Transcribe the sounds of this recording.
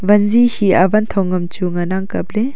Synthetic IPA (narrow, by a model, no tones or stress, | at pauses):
bɐnzihiɐbɐnt̪ʰɔŋɐmt͡ʃuŋɐnaŋkɐple